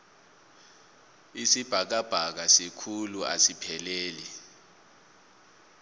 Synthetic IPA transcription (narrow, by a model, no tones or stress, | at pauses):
isib̥ʱak̬ab̥ʱak̬asikʰulua̰sipʰɛleːli